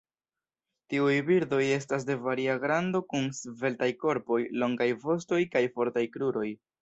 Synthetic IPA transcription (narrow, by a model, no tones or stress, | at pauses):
tiujbiɾdo̞je̞s̬tas̬de̞vaɾiaɡɾando̞kunsve̞ltajko̞ɾpo̞jlo̞ŋɡajvo̞sto̞jkajfo̞ɾtajkɾuɾo̞j